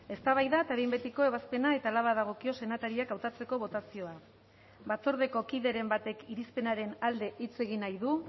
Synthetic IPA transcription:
e̞st̪aβ̞ajðat̪aβimbe̞t̪iko̞e̞β̞aspe̞nae̞t̪aːlaβaðaɣ̞o̞kio̞se̞nat̪aɾiakawt̪at͡se̞ko̞βo̞t̪asio̞a | bat͡so̞ɾð̞e̞ko̞kiðe̞ɾe̞mbat̪e̞kiɾispe̞naɾe̞nald̪e̞ʔit͡se̞ɣ̞inajðu

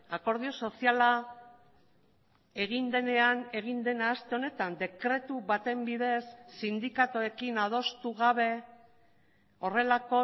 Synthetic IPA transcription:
ako̞ɾð̞io̞so̞siala | e̞ɣ̞ind̪e̞ne̞ane̞ɣ̞ind̪e̞naːst̪e̞o̞ne̞t̪and̪e̞kɾe̞t̪uβat̪e̞mbiðe̞sːind̪ikat̪oe̞kinað̞o̞st̪uɣaβ̞e̞ | o̞re̞lako̞

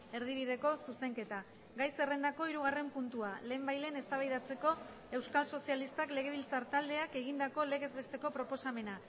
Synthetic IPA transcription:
e̞ɾð̞iβið̞e̞ko̞suse̞ŋke̞t̪a | ɡajse̞re̞nd̪ako̞iɾuɣ̞are̞mpunt̪uale̞ːmbajle̞ne̞st̪aβ̞ajðat͡se̞ko̞ | e̞wskalso̞sialist̪akle̞ɣ̞e̞βilt͡saɾt̪ald̪e̞ake̞ɣ̞ind̪ako̞le̞ɣ̞e̞zβe̞st̪e̞ko̞pɾopo̞same̞na

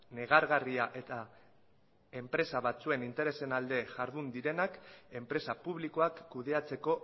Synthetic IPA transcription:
ne̞ɣ̞aɾɣariaʔe̞t̪a | e̞mpɾe̞saβat͡sue̞nint̪e̞ɾe̞se̞nald̪e̞ʝaɾðund̪iɾe̞nake̞mpɾe̞sapuβ̞liko̞akːuð̞e̞at͡se̞ko̞

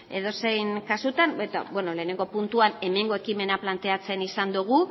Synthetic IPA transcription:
e̞ðo̞se̞jnkasut̪anet̪a̰bwe̞no̞le̞ːne̞ŋɡo̞punt̪uane̞me̞ŋɡo̞e̞kime̞naplant̪e̞at͡se̞nisand̪uɣ̞u

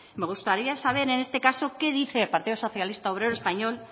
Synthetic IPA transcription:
meɣ̞ust̪aɾiasaβ̞eɾenest̪ekasokeð̞iθeːlpaɾt̪iðoso̞θjalist̪aoβ̞ɾeɾoespaɲol

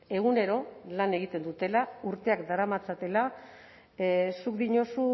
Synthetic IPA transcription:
e̞ɣ̞une̞ɾo̞lane̞ɣ̞it̪e̞nd̪ut̪e̞lauɾt̪e̞akd̪aɾamat͡sat̪e̞la | sukd̪iɲo̞su

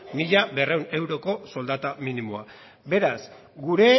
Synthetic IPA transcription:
miʎaβe̞re̞wne̞wɾo̞ko̞so̞ld̪at̪aminimoa | be̞ɾas | ɡuɾe̞

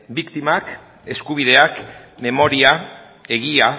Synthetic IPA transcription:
bikt̪imak | e̞skuβ̞iðe̞akme̞mo̞ɾia | e̞ɣia

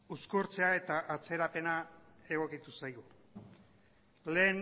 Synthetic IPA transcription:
uskuɾt͡se̞ae̞t̪aʔat͡se̞ɾape̞nae̞ɣ̞o̞kit̪usajɣu | le̞ːn

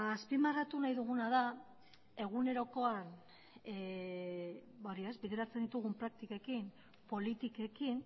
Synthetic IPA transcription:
aspimarat̪unajðuɣunaða | e̞ɣ̞une̞ɾo̞ko̞an | baoɾiazbiðe̞ɾat͡se̞nd̪it̪uɣ̞umpɾak̚t̪ikekin | po̞lit̪ike̞kin

